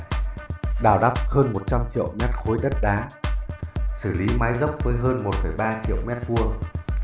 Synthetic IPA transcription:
ɗaː˧˩wɗa˦˥p̚həː˧nmo˨˩t̚t͡ɕa˧mt͡ɕḭ˧ə˨wmɛ˦˥t̚xo˨˦jɗə˦˥t̚ɗaː˨˦ | sɨ˧˩li˨˦maː˨˦jzə˦˥wp̚vəː˨˦jɦəː˧nmo˨˩t̚fə˧˩jɓaː˧t͡ɕḭ˧˨ə˨wmɛ˦˥t̚vu˧əŋ

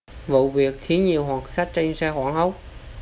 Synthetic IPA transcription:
vṵ˧˨vi˨˩ək̚xi˨˦ənɲi˨˩əwɦwaː˨˩ŋsa˦˥t̚t͡ɕa˧jŋsaː˧xwaː˧˩ŋhə˨˦˥wk͡p̚

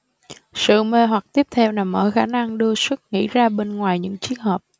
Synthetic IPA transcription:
sɨ̰˧˨me˧˩ɦwa˨˩k̚t̪i˦˥əp̚t̪ʰɛ˧wna˨˩mʔəː˧˩xaː˧˩na˧ŋɗɨ˧əswɨ˦˥k̚ŋḭ˧˥zaː˧ɓe˧nŋwaː˨˩jɲɨ̰˧˥ŋt͡ɕi˧˦ənhəː˨˩p̚

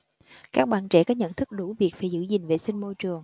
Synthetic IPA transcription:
kaː˦˥k̚ɓa̰ː˧˨nt͡ɕɛ̰˧˩kɔː˨˦ɲə̰˧˨nt̪ʰɨ˦˥k̚ɗu˧˩˦vi˨˩ək̚vaː˨˩jzɨ̰˧˥zï˨˩ŋ̟ve˨˩sï˧ŋmo˧jt͡ɕɨ˨˩əŋ

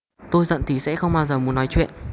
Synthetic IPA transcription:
t̪o˧jzə̰˧˨nt̪ʰi˨˩sɛ̰˧˥xə˧wŋ͡mɓaː˧wzəː˨˩mu˨˦ənːɔ˨˦jt͡ɕwḭ˧˨ənʔ

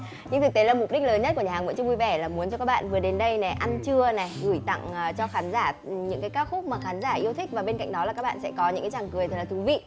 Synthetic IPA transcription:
ɲɨ̰˧ŋt̪ɨ˨˩k̪̚e˨˦la˨˩mʊ˨˩ɗi̟˦˥ləː˨˦nɲə˦˥tkəɲːaː˨˩ŋvə̰˧˥t͡ɕʊ˧vu˧jvɛ˧˩laː˨˩mu˨˦ənt͡ɕɔ˧kaː˦˥k̚ɓa̰ː˧˨nvɨ˨˩əɗe˨˦nɗə˧jnɛ˨˩ʔa˧nt͡ɕɨ˧əna˨˩ɣɨ˧˩jt̪a̰˧˨ŋː˨˩t͡ɕɔ˧xaː˨˦nzaː˧˩ɲɨ̰˧˥ŋkaː˨˦kaː˦˥w̚xʊ˦˥k͡p̚maː˨˩xaː˨˦nzaː˧˩ʔi˧əwt̪ʰi˦˥k̚vaː˨˩ɓe˧nka̰˧˨jŋ̟ɗɔ˨˦la˨˩kːa˦˥kɓa̰ː˧˨nsɛ̰˧˥kɔ˨˦ɲɨ̰˧˥ŋkaː˨˦t͡ɕaː˨˩ŋkɨ˨˩əjt̪ə˨˩laː˨˩t̪u˨˦vḭ˧˨

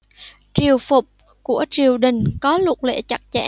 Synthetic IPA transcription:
t͡ɕi˨˩əwfʊ˨˩k͡p̚ | ku˧˩ət͡ɕi˨˩əwɗï˨˩ŋ̟kɔ˨˦lʊ˨˩k̚lḛ˧˨t͡ɕa˨˩k̚t͡ɕɛ̰˧˥˨

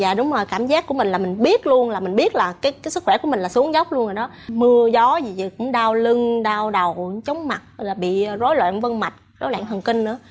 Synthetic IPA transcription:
zaː˨˩ɗʊ˨˦ŋ͡mzo˨˩jkaː˧˩mzaː˦˥kːu˧˩əmi˨˩ŋ̟laː˨˩mï˨˩ŋ̟ɓi˦˥ət̚lu˧ənlaː˨˩mï˨˩ŋ̟ɓi˦˥ət̚laː˨˩kaː˨˦jkaː˨˦jsɨ˦˥kxwɛ˧˩ku˧˩əmi˨˩ŋ̟laː˨˩su˨˦əŋzə˦˥wk͡p̚lu˧ə˧nʔəː˨˩ɗɔ˨˦mɨ˧əzɔ˨˦zi˨˩zḭ˧˨˩kʊ̰˧˥ŋ͡mɗaː˧wlɨ˧ŋɗaː˧wɗə˨˩wt͡ɕə˨˦ŋ͡mma˨˩t̚laː˨˩ɓḭ˧˨zo˨˦jlwa̰ː˧˨nvə˧nma˨˩jt̚zo˨˦jlwa̰ː˧˨nt̪ʰə˨˩nki˧ŋ̟nɨ̰˧˥ə

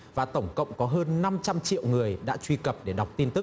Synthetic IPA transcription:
vaː˨˩t̪ə˧˩wŋ͡mkə̰˧˨wŋ͡mkɔ˨˦ɦəː˧nːa˧mt͡ɕa˧mt͡ɕḭ˧˨əwŋɨ˨˩əjɗa̰ː˧˥t͡ɕwi˧kə˨˩p̚ɗe˧˩ɗa˨˩wk͡p̚t̪i˧nt̪ɨ˦˥k̚

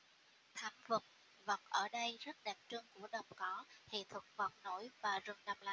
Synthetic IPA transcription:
t̪ʰa˨˩ŋvə˨˩k͡p̚ | və˨˩wk͡p̚ʔəː˧˩ɗə˧jzə˦˥t̚ɗɛ˨˩p̚t͡ɕɨ˧əŋku˧˩əɗə˨˩wŋ͡mkɔ˨˦hḭ˧˨t̪ʰə˨˩k͡p̚va˨˩k͡p̚no˧˦jvaː˨˩zɨ˨˩ŋɗa˧mla̰˧˨

